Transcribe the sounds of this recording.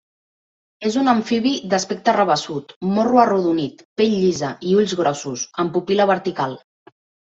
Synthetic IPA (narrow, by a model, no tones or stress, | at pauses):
ezunəɱfiβid̪əspek̚t̪ərəβ̞əsut̪moruəruðunit̪peʎʎizəʔiuʎzɣɾɔsusəmpupiləβ̞əɾt̪ikalˠ